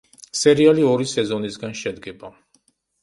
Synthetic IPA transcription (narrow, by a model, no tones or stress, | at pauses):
sɛɾialiɔɾisɛzɔnisɡanʃɛd̪ɡɛba